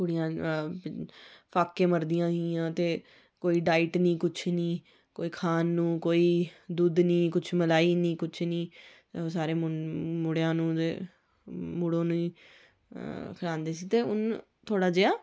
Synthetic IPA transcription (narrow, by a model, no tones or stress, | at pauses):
kʊɽɪjãː | pʰaːkːẽːməɾd̪ɪjãːɦiãːt̪eː | koːiːɖaːɪʈnĩːkʊt͡ʃʰniː | koːiːkʰaːnːũːkoːiːd̪uːd̪nĩːkʊt͡ʃʰməlaːiːnĩːkʊt͡ʃʰnĩː | osaːɾeːmmʊɽejãːnũːeː | muːɽõːnũːiː | kʰəɾãːnd̪eːsiːt̪eːʊ̰n | t̪ʰoːɽaːd͡ʒɪaː